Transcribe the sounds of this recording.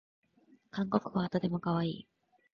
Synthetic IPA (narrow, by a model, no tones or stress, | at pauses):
kãŋko̞kɯ̟βat̪o̞t̪e̞mo̞kaβ̞aiː